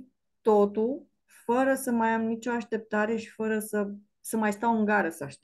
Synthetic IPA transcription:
t̪ot̪ul | fəɾəsəmajamnit͡ʃo̞aʃt̪e̞p̚t̪aɾe̞ʃi̥fəɾəsə | səmajst̪awɨŋɡaɾəsəaʃt̪e

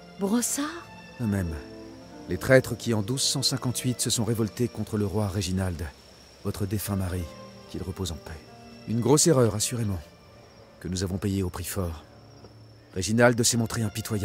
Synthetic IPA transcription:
bʁɔsaʁ | d̪əmɛm | let̪χɛt̪χəkʲiɑ̃d̪uzsɑ̃sɛ̃kɑ̃t̪ɥit̪səsɔ̃ʁevɔlt̪ekɔ̃t̪χələʁwaʁeʒinald̪ | vɔt̪χəd̪efɛ̃maʁikʲilʁəpozɑ̃pɛ | ynɡʁoseʁœʁasyʁemɑ̃ | kənuzavɔ̃pejeopχifɔːʁ | ʁeʒinald̪əsɛmɔ̃t̪χeɛ̃pit̪waja

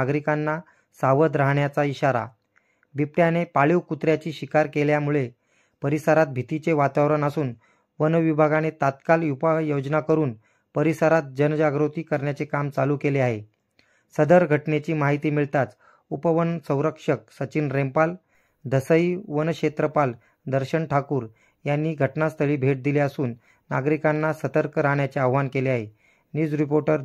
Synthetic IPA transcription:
aɡɾikanːa | saʋəd̪ɾaɦɳjat͡saiɕaɾa̰ | bip̚ʈjanepaɭiwkut̪ɾjat͡ɕiːɕikaɾkeljamuɭe | pəɾisəɾat̪̚bʱit̪it͡seʋat̪aʋɾənəsuːn | ʋənʋibʱaɡanet̪at̪kaljupajod͡ʑnakəɾuːn | pəɾisəɾat̪̚d͡ʑənd͡ʑaɡɾut̪iːkəɾɳjat͡sekamt͡salukeleaɦe | səd̪əɾɡʱəʈnet͡ɕiːmaɦit̪iːmiɭt̪at͡s | upəʋənsə̃w̃ɾəkʂək̚sət͡ɕiːnɾempal | d̪ʱəsəiʋənkɕet̪ɾəpal | d̪əɾɕəɳʈʰakuːɾ | janːiːɡʱəʈnast̪ʰəɭiːbʱeʈ̚d̪ileasuːnː | aɡɾikanːasət̪əɾkəɾaɳjat͡seaʋʋankeleaɦe | njuːd͡zɾipoɾʈəɾ

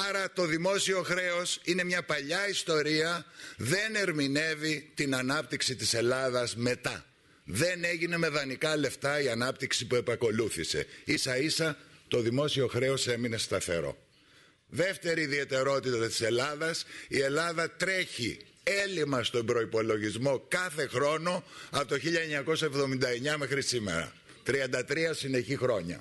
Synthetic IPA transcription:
ɐɾɐt̪o̞ðimo̞sio̞xɾe̞o̞sine̞mɲɐpɐʎɐist̪o̞ɾiɐðe̞ne̞ɾmine̞vit̪inɐnɐp̚t̪iksit̪ise̞lɐðɐzme̞t̪ɐ | ðe̞ne̞ʝine̞me̞ðɐnikɐle̞ft̪ɐiɐnɐpt̪iksipue̞pɐko̞luθisḛisɐisɐt̪o̞ðimo̞sio̞xɾe̞o̞se̞mine̞st̪ɐθe̞̰ɾo̞̰ | ðe̞ft̪e̞ɾiːðie̞t̪e̞ɾo̞t̪it̪ɐt̪i̥se̞lɐðɐsie̞lɐðɐt̪ɾe̞çi | elimɐst̪o̞mbɾo̞ipo̞lo̞ʝizmo̞kɐθe̞xɾo̞no̞ɐpt̪oçiʎɐeɲɐko̞sɐevðo̞mind̪ɐe̞ɲɐme̞xɾisime̞̰ɾɐ̰ | t̪ɾiɐnd̪ɐt̪ɾiɐsine̞çixɾo̞ɲɐ̰

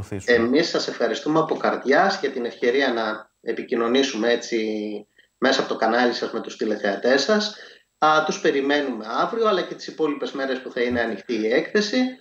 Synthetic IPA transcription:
e̞misːɐse̞fxɐɾist̪umeɐpo̞kɐɾðʝɐsʝɐt̪ine̞fce̞ɾiɐnɐ | e̞picino̞nisume̞e̞t͡si | me̞sɐpo̞t̪o̞kɐnɐlisɐzme̞t̪ust̪ile̞θe̞ɐt̪e̞sɐs | t̪uspe̞ɾime̞nume̞ɐvɾio̞ɐlɐcet̪i̥sipo̞lipe̞zme̞ɾe̞spuθɐine̞ɐnixt̪iːe̞kθe̞si

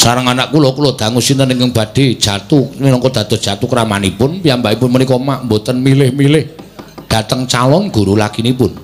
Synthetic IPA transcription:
saɾəŋanaʔkulɔkulɔd̪̥a̤ŋʊsint̪əniŋɡəŋb̥ä̤d̪̥e̤d̥ʒ̥a̤t̪umilɔŋkɔd̪̥a̤d̪̥ɔ̤dʒ̥a̤t̪ukəɾamanipʊnpiambaipʊnmənikɔmaʔmbot̪ənmilɪhmilɪhd̪̥a̤t̪əŋt͡ʃalɔnɡ̥uɾulakinipʊn

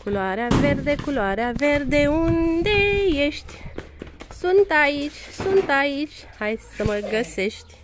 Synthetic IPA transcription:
kuloaɾeaverd̪ekuloaɾaverd̪eund̪e̞jeʃt̪ʲ | sunt̪ait͡ʃʲsunt̪ait͡ʃʲ | hajsəməɡəseʃt̪ʲ

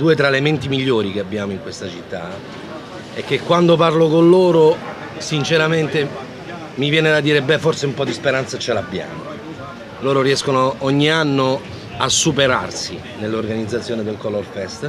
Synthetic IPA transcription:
d̪uːet̪ɾaelement̪imiʎːoːɾikeabːjaːmoiŋkwest̪at͡ʃit̪ːa | ɛkːekːwand̪oparlokonloːɾo | sint͡ʃeɾament̪e | mivjɛːned̪ad̪ːiːɾebɛfort̪seumpɔd̪ːispeɾant̪sat͡ʃelabːja̰ːmo̰ | loːɾoriɛskonoɔɲːianːo | asːupeɾa̰rsi | nelːorɡanid̪zːat̪sjoːned̪elkɔlorfɛst̪

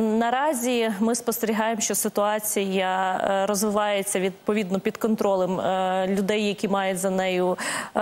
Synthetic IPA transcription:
nɐɾɑzʲimɪspɔst̪eɾʲiɦɑjemʃt͡ʃɔsɪt̪ʊɑt͡sʲijɐɾɔzʋɪʋɑjet͡sʲːɐʋʲid̪pɔʋʲid̪nɔpʲid̪kɔnt̪ɾɔlˠemlʲʊd̪ɛjːɐkʲimɑjʊtʲzɐnɛjʊ

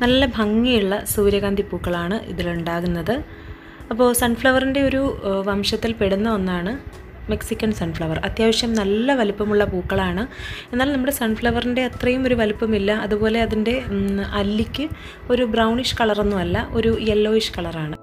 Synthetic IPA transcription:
nɐlːɐbʱɐŋːijuɭːɐsuːɾjɐɣaːnd̪ʱipːuːkːɐɭaːɳɨʔḭðiluɳɖaːɣunːɐðɨ | ɐpːo̞ːsɐɳfɭɐʋɐrinde̞o̞ɾuʋɐmʂɐt̪ːilpeɽunːɐɐnːaːɳɨ | meksikʲːɐnsɐnɖfɭɐʋɐrɐt̪jaːʋɐʂjɐmnɐlːɐʋɐlupːɐmuɭːɐpuːkːɐɭaːɳɨe̞nːaːlnɐmːuɽe̞sɐɳɖfɭɐʋɐrinde̞ːt̪rɐjumo̞ɾuʋɐlupːɐmilːɐɐðupo̞ːle̞ɐðinde̞ɐlːikʲːɨ | o̞ɾubrɐwɳiʂkɐɭɐrunːuʋɐlːɐʔo̞ɾujelːo̞ːiʂkɐɭɐraːɳɨ

